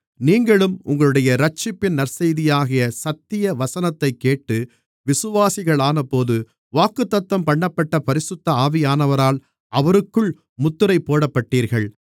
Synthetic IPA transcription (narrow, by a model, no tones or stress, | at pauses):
niːŋɡɐɭɯmʊŋɡɐɭɯɽɐjɐɾɐt͡ʃːɪpːɪnnɐɾsɐjðɪjaːɣɪjɐsɐt̪ːɪjɐʋɐsɐnɐt̪ːɐɪkːeːʈːɯ | ʋɪsɯʋaːsɪɣɐɭaːnɐpːoːðɯ | ʋaːkːɯt̪ːɐt̪ːɐmpɐɳːɐpːɐʈːɐpɐɾɪsɯt̪ːɐaːʋɪjaːnɐʋɐɾaːl | ʔɐʋɐɾɯkːɯɭ | mʊt̪ːɯɾɐɪpːoːɽɐpːɐʈːiːɾɣɐɭ